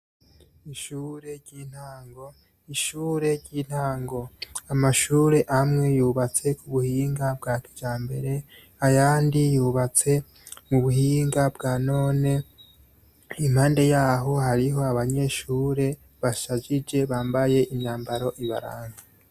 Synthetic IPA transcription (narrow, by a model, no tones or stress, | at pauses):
iʃuːɾe̞ɾɟiːn̥haːŋɡo̞ | iʃuːɾe̞ɾɟiːn̥haːŋɡo̞amaʃuːɾe̞ʔamŋe̞juːβat͡se̞kuβuhiːŋɡabɡaːkid͡ʒaːmbe̞ɾe̞ | ajaːndijuːβat͡se̞ | muβuhiːŋɡabɡaːno̞ːne̞ | imhaːnde̞jaːɦo̞haɾiɦo̞aβaɲe̞ʃuːɾe̞ | βaʃad͡ʒid͡ʒe̞βaːmbaje̞ʔiɲaːmbaɾo̞ʔiβa̰ɾa̰ːŋɡa